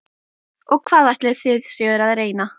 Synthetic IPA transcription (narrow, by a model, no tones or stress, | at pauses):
ɔɣkʰv̥aːðajht̪lɪθɪðsjɛɣʏɾaðreːjna